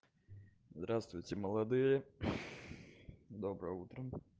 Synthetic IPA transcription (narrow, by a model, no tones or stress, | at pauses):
zd̪ɾast̪vʊjtʲɪməlˠɐd̪ɨjə | d̪obɾəut̪ɾə